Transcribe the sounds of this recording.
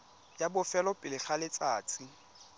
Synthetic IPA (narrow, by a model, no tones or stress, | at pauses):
jabʊfɛlɔpʼɪlɪɬalɪt͡sʼaːt͡sʼi